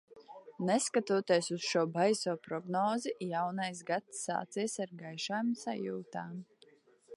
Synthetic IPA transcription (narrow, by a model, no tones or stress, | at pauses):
nɛskat̪uɔt̪iɛsusʃuɔbajsuːpɾɔɡnɔːzijawnajsɡat̪sːa̰ːt̪siɛsaɾɡajʃaːmsajuːt̪aːm